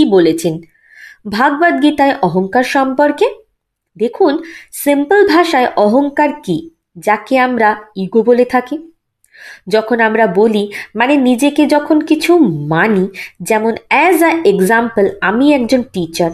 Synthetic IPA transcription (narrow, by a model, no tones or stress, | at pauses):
ibolet͡ɕʰen | bʱaɡbad̪̚ɡit̪aeʔɔɦoŋkaɾʃɔmpoɾke | d̪ekʰunsimpəlbʱaʃaeʔɔɦoŋkaɾki | d͡ʑakeamɾaiɡobolet̪ʰaki | d͡ʑɔkʰonamɾabolimanenid͡ʑeked͡ʑɔkʰonkit͡ɕʰumanid͡ʑɛmonɛzaeɡzampəlamiɛk̚d͡ʑonʈit͡ɕaɾ